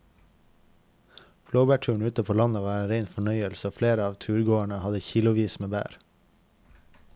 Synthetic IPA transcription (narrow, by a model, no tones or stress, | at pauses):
b̥loːbæːʈʰʉːɳ̩ʉːt̪əpʰoːlɑnəʋɑːɾeːnɾeɪnfɔɳœʏəlsəoːfleːɾəɑːʋt̪ʰʉːɾɡoːæɳəhɑd̪əçiːlʊʋiːsmeːbæ̰ːɾ